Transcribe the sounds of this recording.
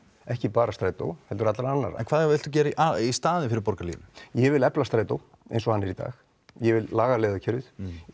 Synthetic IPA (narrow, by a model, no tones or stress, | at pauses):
ɛhcɪpaːɾast̪ɾaːjt̪o̰whɛlt̪ʏɾat̪laɾanːa̰ɾaɛnkvaðavɪlt̪uc̬ɛːɾaiʔaist̪aːðɪfɪɾɪɾpɔɾkalḭːnɪ̥jɛvɪlɛplast̪ɾaːjt̪ow | ḛjnsɔhanːɛɾit̪a̰ːx | jɛvɪlːaːɣaleːðacʰɛɾɪð